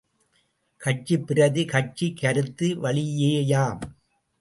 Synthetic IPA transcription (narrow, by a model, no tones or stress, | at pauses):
kɐt͡ʃipːɪɾɐðɯkɐt͡ʃikːɐɾɯt̪ːɯʋɐɭɪjeːjaːm